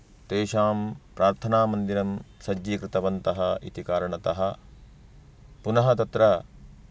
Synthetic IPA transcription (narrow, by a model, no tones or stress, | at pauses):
t̪eːʃaːmpɾaːɾt̪ʰɐnaːmɐnd̪iɾɐmsɐd͡ʒːiːkɾɪt̪ɐʋɐnt̪ɐɦɐḭt̪ikaːɾɐɳɐt̪ɐɦɐ | punɐɦɐt̪ɐt̪ɾɐ